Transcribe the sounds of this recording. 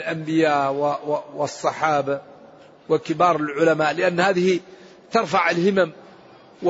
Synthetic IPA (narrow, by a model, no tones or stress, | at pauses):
lʔambɪjaːʔwwɑsˤːɑħɑːba | wakɪbɑːɾˤɪlʕʊlamaːʔlɪʔanːhaːðɪhi | t̪ɑɾˤfaʕalhɪmam | w